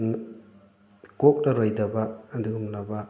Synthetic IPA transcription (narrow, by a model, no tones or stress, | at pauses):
n | kok̚nɐɾojdɐbɐːduumnɐbɐ